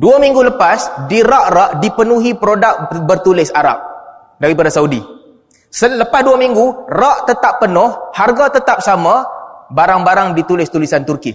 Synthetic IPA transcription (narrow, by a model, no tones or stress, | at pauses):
duamiŋɡuləpasdiɾaʔraʔdipənuɦipɾodak̚bərt̪ulɪsaɾa̰p̚ | daɾipadasaudḭ | sələpasduamiŋɡuraʔt̪ət̪apːənʊhharɡat̪ət̪ap̚samãbaɾaŋbaɾaŋdit̪ulɪst̪ulisant̪urki